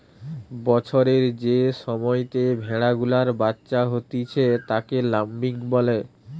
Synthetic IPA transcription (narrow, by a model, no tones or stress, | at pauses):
bɔt͡ɕʰoɾeɾd͡ʑeʃɔmɔjt̪ebʱɛɽaɡulaɾbatːɕaɦot̪it͡ɕʰet̪akelambiŋbɔle